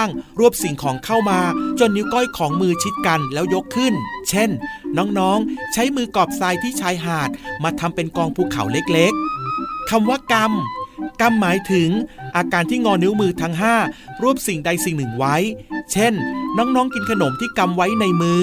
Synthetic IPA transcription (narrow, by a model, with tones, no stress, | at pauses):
ŋɾu˥˩əp̚si˨˩ŋkʰɔː˩˦ŋkʰa˥˩wmaː˧t͡ɕo˧nːi˦˥wkɔ˥˩jkʰɔː˩˦ŋmɯː˧t͡ɕʰi˦˥t̪̚ka˧nlɛː˦˥wjo˦˥kʰːɯ˥˩nt͡ɕʰe˥˩nːɔː˦˥ŋnɔː˦˥ŋt͡ɕʰa˦˥jmɯː˧kɔː˨˩p̚saː˧jt̪ʰiː˥˩t͡ɕʰaː˦˥jɦaː˨˩t̪̚maː˧t̪ʰa˧mpe˧nkɔː˧ŋpʰuː˧˩kʰa̰˩˦wle˦˥k̚le˦˥k̚ʰːa˧mwaː˥˩ka˧mka˧mːaː˩˦jt̪ʰɯ˩˦ŋʔaː˧kaː˧nt̪ʰiː˥˩ŋɔː˧ni˦˥wmɯː˧t̪ʰa˦˥ŋɦaː˥˩ɾu˥˩əp̚si˨˩ŋda˧jsi˨˩ŋnɯ˨˩ŋwa˦˥jt͡ɕʰe˥˩nnɔː˦˥ŋnɔː˦˥ŋki˧nkʰa˧no˩˦mt̪ʰiː˥˩ka˧mwa˦˥jna˧jmɯː˧